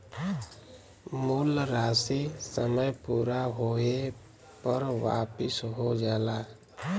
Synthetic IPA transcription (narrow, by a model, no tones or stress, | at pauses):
muːlɾaːsisəməjpuːɾaɦoːe | pəɾwa̰ːpɪsɦod͡ʒaːlaː